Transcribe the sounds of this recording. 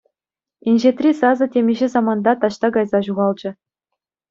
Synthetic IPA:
inʲʑet̪rʲisɑzɤ̆tʲemʲiʑɘ̆zɑmɑnd̪ɑt̪ɑɕt̪ɑɡɑjzɑʑuʁɑlˠd͡ʑɘ̆

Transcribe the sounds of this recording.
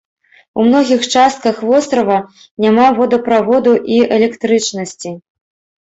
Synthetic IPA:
umnɔɣʲixt͡ʂast̪̚kɐxvɔst̪ɾɐvɐ | nʲamavɔd̪ɐpɾavɔd̪uʔiɛlʲɛkt̪ɾɨt͡ʂnɐsʲt͡sʲi

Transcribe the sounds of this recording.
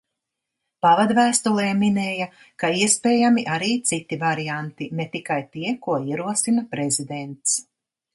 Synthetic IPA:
pavad̪væːst̪ulˠeːminɛːja | kaiɛspeːjamiʔaɾiːt̪sit̪ivaɾijant̪inet̪ikajt̪iɛkuɔiɛɾuɔsinapɾezid̪ent̪s

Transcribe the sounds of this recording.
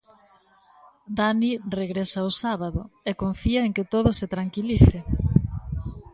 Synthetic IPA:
d̪anireɣɾesaosaβaðʊ̰ekoɱfiaeŋkɪt̪oð̞ʊset̪ɾaŋkiliθɪ

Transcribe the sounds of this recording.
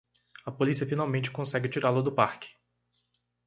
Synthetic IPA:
ɐpolisiɐfinawmẽnt͡ʃɪ̥kõsɛɡɪt͡ʃiɾalʊd̪ʊpaɾkɪ̥

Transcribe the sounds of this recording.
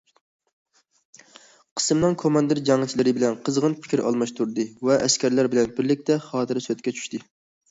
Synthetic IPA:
qʰə̥sɨmnɨŋkʰomɑnd̪ɨɾd͡ʒɑŋɨt͡ʃʰilɪɾɪbɪlɛnqʰəzʁənpʰɪ̥kʲʰɪɾʔɑ̰lˠmɑʃt̪ʰuɾd̪ɨvɛʔɛskʲæɾlæɾbɪlɛnbɪɾlɪk̚ʲt̪ʰɛχɑːt̪ʰɨɾsøt̪kʲɛt͡ʃʰy̥ʃt̪ɨ

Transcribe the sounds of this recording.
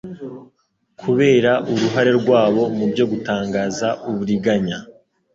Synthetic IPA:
kʰuβe̞ːɾaʔuɾuɦaɾe̞ɾɡwaːβo̞mubjo̞ɡutaːŋɡaːzaʔuβuɾiɡaɲa

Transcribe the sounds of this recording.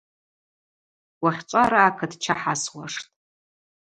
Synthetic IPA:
waχʲt͡ʃʷʼaɾaːkʰɨdt͡ʃʰaħaswaʂtʼ

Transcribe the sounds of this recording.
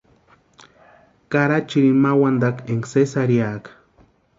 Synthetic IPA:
kaɾat͡ʃiɾimawand̪akeŋksesaɾjakḁ

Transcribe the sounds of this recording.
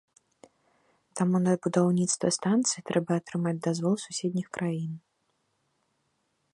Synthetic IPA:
t̪amunɐbud̪awnʲit̪st̪vɐst̪ant̪sɨit̪ɾɛbɐːt̪ɾɨmad͡zʲd̪azvɔlˠsusʲɛd̪ʲnʲixkɾʔajin

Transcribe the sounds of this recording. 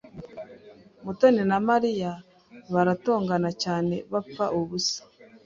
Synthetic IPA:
mutoninamaɾija | βaɾato̞ːŋɡanacaːne̞βap͡faʔuβusḁ

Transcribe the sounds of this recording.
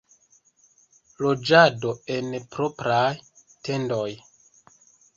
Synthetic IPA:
lo̞d͡ʒado̞e̞npɾo̞pɾaj | te̞ndo̞j

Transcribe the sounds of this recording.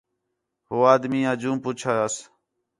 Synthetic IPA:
ɦoːaːd̪mĩːəd͡ʒũːmpʊt͡ʃʰaːəs

